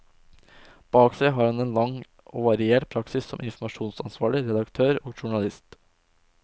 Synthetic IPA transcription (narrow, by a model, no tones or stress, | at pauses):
b̥ɑːksæɪɦɑɾhɑneːnlɑŋː | ɔːʋɑɾɪeːʈpʰɾɑksɪsːɔmʔɪnfm̩ɑʂuːnsɑnsʋɑːɭɪɾɛd̪ɑkt̪ʰøːɾoːɡʃʊɳɑlɪst̪